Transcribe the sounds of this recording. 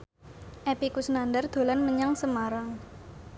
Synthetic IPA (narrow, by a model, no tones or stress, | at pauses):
ʔepikusnandərd̪̥o̤lanməɲaŋsəmaɾaŋ